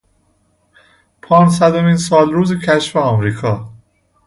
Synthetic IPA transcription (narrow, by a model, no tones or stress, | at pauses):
pʰɒːns̬æd̪omiːnsɒːlɾuːzecʰæʃfeɒːmɾiːkʰɒː